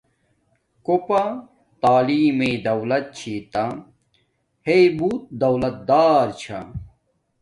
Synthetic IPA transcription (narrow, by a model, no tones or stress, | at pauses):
kopɐ | t̪aːliːmed̪ɐwlɐt̪̚t͡ɕʰit̪a | hejbuːt̪̚d̪ɐwlɐt̪̚d̪aːɾt͡ɕʰa̰